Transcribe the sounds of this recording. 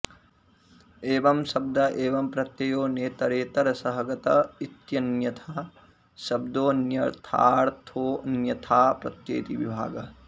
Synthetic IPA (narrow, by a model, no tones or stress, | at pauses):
eːʋɐmsɐb̚d̪ɐʔeːʋɐmpɾɐt̪jɐjoːneːt̪ɐɾeːt̪ɐɾɐsɐɦɐɡɐt̪ɐit̪jɐnjɐt̪ʰɐ | sɐb̚d̪oːnjɐɾt̪ʰa̰ːɾt̪ʰoːnjɐt̪ʰaːpɾɐt̪jḛːt̪iʋibʱa̰ːɡɐ